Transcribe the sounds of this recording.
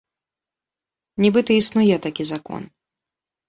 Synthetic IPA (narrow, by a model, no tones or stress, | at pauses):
nʲibɨt̪ɐisnujɛt̪akʲizakɔ̰n